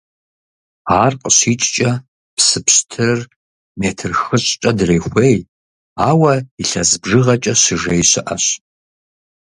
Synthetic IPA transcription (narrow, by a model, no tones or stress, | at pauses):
aːrqʼəɕiːt͡ʃʼt͡ʃʼɐ | psɨpɕtʰɨr | meːtʰɨrxɨɕʼt͡ʃʼɐdreːxʷej | aːwɐiɬɐzbʐɨʁɐt͡ʃʼɐɕɨʐejɕɪʔɐɕ